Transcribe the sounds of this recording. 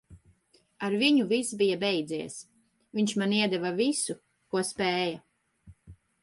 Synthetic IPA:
aɾviɲuvisbijabɛjd̪ziɛs | viɲt͡ʃmaniɛd̪ɛvavisu | kuɔspɛːja

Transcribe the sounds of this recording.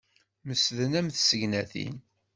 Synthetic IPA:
məsðənæmθsəʝnæθḭn

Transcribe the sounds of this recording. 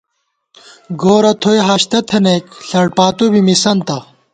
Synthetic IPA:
ɡoːɾɐt̪ʰojɦaɕt̪ɐt̪ʰɐnekɬɐɽpaːt̪ubimisɐnt̪ɐ

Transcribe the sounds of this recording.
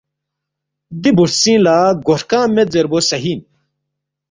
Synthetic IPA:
d̪ibuɾsĩːlaːɡoʂkãːmed͡zeɾbosɐɦiːn

